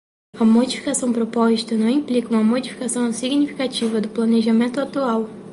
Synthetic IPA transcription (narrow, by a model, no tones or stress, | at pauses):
ɐmod͡ʒifi̥kasɐ̃w̃pɾopɔzit̪ɐnɐ̃w̃ĩplikɐũmɐmod͡ʒifi̥kasɐ̃w̃siɡnifi̥kat͡ʃivɐd̪ʊplɐneʒamẽnt̪ʊat̪uaw